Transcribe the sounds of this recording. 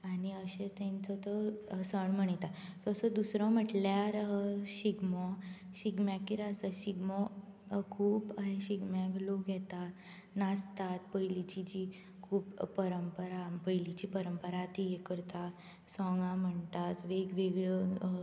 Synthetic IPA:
añiəɕet̪ẽnt͡sɔt̪əsəɳm̤əɳ̃it̪asɔəsəd̪usɾɔ̃m̤əʈljaɾɕiɡmɔ | ɕiɡmjakːiɾasəɕiɡmɔ | kʰuːpaɦeɕiɡmaɡloɡʱɛt̪at̪ | nast̪at̪̚pəjlit͡ɕid͡ʑiː | kʰuːpːəɾəmpəɾapəjlit͡ɕiːpəɾəmpəɾat̪ijekəɾt̪a | sɔŋɡãm̤əɳt̪at̪ʋeɡʋeɡɭə

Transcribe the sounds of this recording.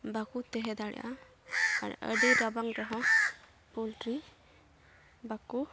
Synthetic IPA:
bakut̪ɛɦɛd̪aɽɛ̰jʔa̰ | a̰ɾə̰ɖiɾabaŋɾɔɦɔ̃ | pɔlʈɾi | baku

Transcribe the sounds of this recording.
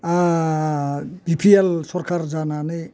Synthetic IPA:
bipʰielsɔrkard͡zanane

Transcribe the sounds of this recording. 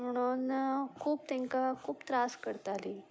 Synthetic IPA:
m̤əɽ̃unkʰuːp̚t̪eŋkakʰuːpt̪ɾaskəɾt̪ali

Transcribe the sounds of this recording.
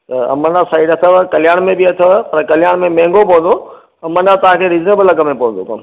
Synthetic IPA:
t̪ɐɐ̰mə̃nãsaːiɖɐt̪ʰəʋkɐlɪjaːɽ̃mẽbɪɐt̪ʰəʋpɐɾkɐlɪjaːɽ̃mẽmɛ̃ːŋɡopoɦə̃nd̪o | ɐmənãt̪ɐʋ̤ãkʰeɾɪd͡ʒnebəlɐɡəmẽpõːnd̪okɐ

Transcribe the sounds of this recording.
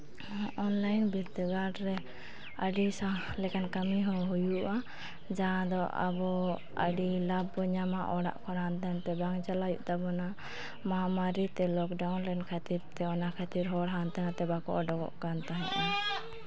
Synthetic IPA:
ʔɔnlajnbiɾt̪əɡaɖɾɛ | əɖisalɛkankamiɦɔ̃ɦujuʔa | d͡ʒaãd̪ɔʔa̰bɔ | ə̰ɖilab̚ɔɲamaʔɔɽa̰ʔkɔnant̪ant̪ɛbaŋd͡ʒalajṵʔt̪abɔna | maamaɾit̪ɛlɔkɖawnlɛnkʰat̪iɾt̪ɛɔnakʰat̪iɾɦɔɽɦant̪anat̪ɛbakɔ̰ʔɔɖɔɡɔ̰ʔkant̪aɦɛ̰̃ʔa

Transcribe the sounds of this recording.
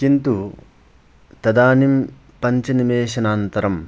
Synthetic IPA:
kint̪u | t̪ɐd̪aːnim | pɐɲt͡ʃɐnimeːɕɐnaːnt̪ɐɾɐm

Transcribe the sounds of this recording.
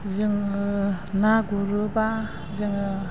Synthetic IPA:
zɯŋ | naɡuɾɯba | zɯŋ

